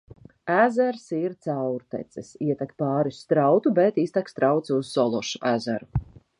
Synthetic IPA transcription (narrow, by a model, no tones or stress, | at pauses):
æzɛɾsiɾt̪sawɾt̪ɛ̰t̪sɛsiɛt̪akpaːɾist̪ɾawt̪ubet̪ist̪akst̪ɾawt̪suz̥ːɔlˠɔʃu̥ʔæzæɾu